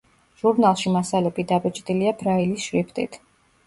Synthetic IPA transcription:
ʒ̥uɾnalˠʃimasalɛpʼid̪abɛt͡ʃʼd̪ʼiliabɾailisʃɾipʰt̪ʼḭt̪ʰ

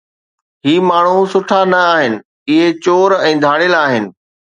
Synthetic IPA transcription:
ɦiːmaːɳ̤usʊʈʰanɐaːɦɪnɪ̆ | ɪɦet͡ɕoːɾɛ̃ːd̪ʱaːɽ̃ɪlaːɦɪnɪ̆

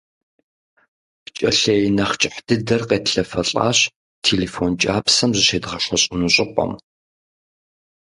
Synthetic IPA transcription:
pt͡ʃʼɐɬɐjnɐχt͡ʃʼɪħd̥ɨdɐrqeːtɬɐfɐɬʼa̰ːɕ | tʰeːlefont͡ʃʼaːpsɐmzɨʃeːdʁɐɕɐɕʼɪnuɕʼɪpʷʼɐ̰m

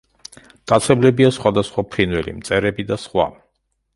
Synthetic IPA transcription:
kʼat̪sʰɛblɛbiasχwad̪asχwapʰɾinwɛlḭmt̪sʼɛɾɛbid̪asχwa̰

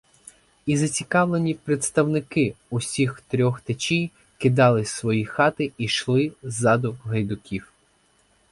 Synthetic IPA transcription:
izɐt͡sʲikɑʋlˠenʲipɾet̪st̪ɐwnɪkɪusʲixt̪ɾʲɔxt̪et͡ʃʲij | kɪd̪ɑlˠɪsʋɔjixɑt̪ɪiʃlˠɪzɑd̪ʊɦɐjd̪ʊkʲiw

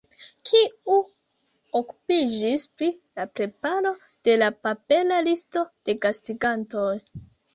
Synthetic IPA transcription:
kʰiu | oku̥pid͡ʒispɾilapɾe̞paɾo̞ | d̥e̞lapape̞lalisto̞d̥e̞kastiɡanto̞j

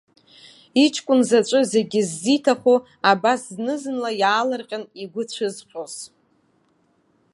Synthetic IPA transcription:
it͡ʃʰkʷʼʊnzat͡ʃʷʼɨze̞ɡʲizːitʰaχo | abasznɨzɨnlajaːlɨrqʲʼaniɡʷʊt͡ɕʷʰɨzqʲʼoz̥

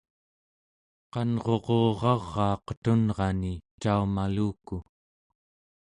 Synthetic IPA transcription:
qɑnʁo̞ʁo̞ːʁɑʁːɑːqə̥t̪unʁɑnit͡ʃaumaluːku

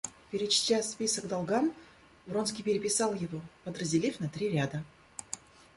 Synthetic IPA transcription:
pʲɪɾʲɪt͡ɕt̪ʲaspʲisəɡd̪alˠɡam | vronskʲijpʲɪɾʲɪpʲɪsɑlˠjɪvopəd̪rəzʲdʲɪlʲifnɐt̪ɾʲiɾʲad̪ə

